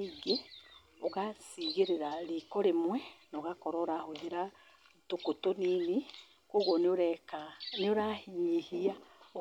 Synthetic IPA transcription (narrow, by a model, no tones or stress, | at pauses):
iɡe | oɣasiɣeɾeɾaɾikɔɾemwɛnoɣakoɾoːɾahod͡ʒeɾa | tokotonini | koɣonoɾɛkanoɾahiɲihiao